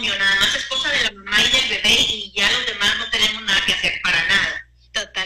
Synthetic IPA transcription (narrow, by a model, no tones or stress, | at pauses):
ɲjo̞naðamase̞sko̞saðe̞lamajðelβe̞βe̞iʝalo̞zðe̞mazno̞t̪e̞ne̞mo̞znaðake̞ase̞ɾpaɾanaða | ot̪a